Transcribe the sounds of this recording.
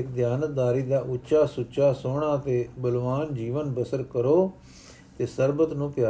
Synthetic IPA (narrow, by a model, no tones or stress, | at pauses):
ɪkd̪jaːnət̪̚d̪aːɾiːd̪aːʔʊʃaːsʊt͡ʃaːsoːɽ̃aːt̪eːbəlʋaːnd͡ʒiːʋənbəsəɾkəɾoː | t̪eːsəɾbət̪nũːpjaː